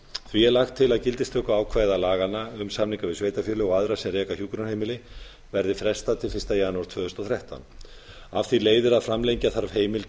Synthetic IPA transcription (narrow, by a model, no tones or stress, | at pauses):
θviɛlaxt̪ʰːɪlaðcɪlt̪ɪst̪œkʏaːwkʰvaːjðalaːɣanaʏmsamniŋkavɪðsveːjt̪afjɛlʏɔɣaðɾasɛmrɛːkaçjuːkɾanheːjmɪlɪ | vɛɾðɪfɾɛ̥st̪at̪ʰɪlfɪ̥st̪ajaːnuwaɾt̪ʰvœːðʏst̪ɔθɾjaht̪a̰wn | afθileːjðɪɾaðfɾamlejɲcaθaɾv̥heːjmɪl